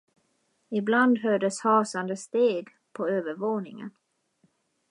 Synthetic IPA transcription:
ɪbland̪ɦœːɖəshɑːsand̪əst̪eːɡ | pʰɔøːvəɾvoːnɪŋə̰n

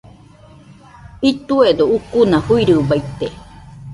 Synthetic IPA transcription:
it̪ued̪oukunãhuiɾɯbajt̪e

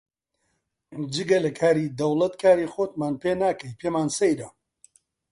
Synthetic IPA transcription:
d͡ʒɨɡɐlɐkʰaːɾiːd̪ɐwlˠɐt̪kʰaːɾiːxoːt̪maːnpeːnaːkɐjpʰeːmaːnsɐjɾɐ

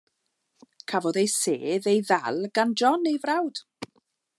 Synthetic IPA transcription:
kʰavɔðejsḛːðejða̰lˠɡ̥and͡ʒɔnejvrawd̥

